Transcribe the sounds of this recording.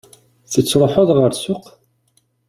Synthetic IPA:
θət͡sːɾˤoħoðˤʁəɾsʊq

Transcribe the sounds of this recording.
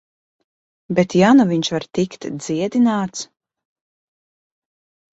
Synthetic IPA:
bet̪januviɲʃvaɾt̪ikt̪d̪z̥iɛd̪inaːt̪s

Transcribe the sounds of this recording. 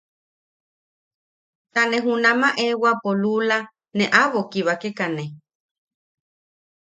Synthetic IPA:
t̪aneɦunãmaʔewapolula | neʔaβokiβakekane

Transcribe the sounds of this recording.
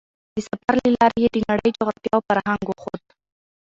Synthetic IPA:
d̪̥əsafaɾlelɑɾejed̪ənaɽəjd͡ʒoɣɾat̪jɑofaɾhaŋɡoxod̪

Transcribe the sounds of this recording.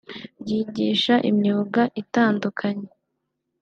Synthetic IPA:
bɟiːɟiːʃaʔḭmɲuːɡaʔitaːndukʰaɲe

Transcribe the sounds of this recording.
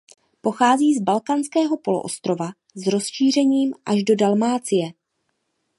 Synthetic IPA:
po̞xaːziːzbalkanskɛːɦo̞po̞lo̰ʔost̪ɾo̞va | zɾo̞sʃiːr̝ɛɲiːmʔaʒdo̞dalmaːt͡sɪjɛ

